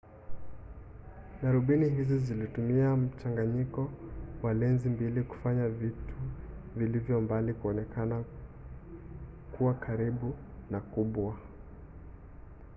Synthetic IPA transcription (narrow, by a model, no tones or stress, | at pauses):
ɡaɾuɓiniɦizizilitumiam̩t͡ʃaŋɡaɲikɔwalɛnzimbiliku̥faɲavitʰuvilivjɔmbalikuɔnɛkana | kuwakʰaɾiɓu | nakuɓwa